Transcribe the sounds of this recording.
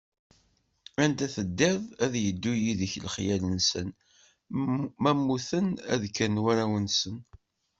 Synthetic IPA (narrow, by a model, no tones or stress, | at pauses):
ænt̪æθəd̪ːæðæðjəd̪ːujiðəçlχjælənsən | mæmːuθənæ̰ðkːænwæɾæwənsən